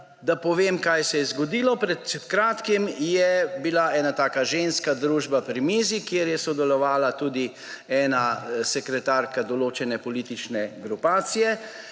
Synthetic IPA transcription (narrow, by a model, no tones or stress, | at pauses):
d̪apɔʋemkajsɛjɛzɡɔd̪iːlɔpɾɛt̪kɾaːt̪kimjɛbilaɛːnat̪aːkaʒenskad̪ɾuːʒbapɾimiːzikjeɾjɛsɔd̪ɛlɔʋaːlat̪uːd̪i | ɛːnasɛkɾɛt̪aːɾkad̪ɔloːt͡ʃɛnɛpɔliːt̪it͡ʃnɛɡɾupaːt̪sijɛ